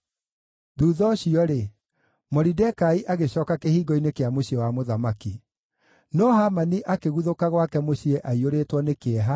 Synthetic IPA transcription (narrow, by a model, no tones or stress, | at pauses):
ðuːðɔɕiɔɾe | mɔɾidɛkaiʔaɣeɕɔːkakehiːɡɔinekeamoɕiɛwamoðamaki | nɔhamaniʔakeɣuðokaɣwakɛmoɕiɛʔaioɾeːtwɔnekeɛɦa